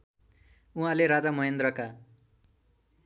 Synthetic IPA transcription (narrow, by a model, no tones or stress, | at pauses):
uɦãleɾad͡zamʌɦend̪rʌka